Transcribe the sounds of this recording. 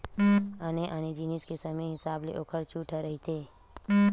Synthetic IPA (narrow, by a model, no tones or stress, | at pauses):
aːneʔaːned͡ʒiːniskesɐməɦɪsaːblḛʔoːkʰəɾt͡ʃuːʈʰəɾəɦit̪ʰeː